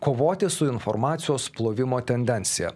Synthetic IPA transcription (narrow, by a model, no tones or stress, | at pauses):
koːʋoːt̪ʲɪsʊɪnfɔ̰ɾmɑːt̪sʲɪjoːsplˠoːʋʲɪmoːt̪ʲɛnʲd̪ʲɛnʲt̪sʲɪjɛ̰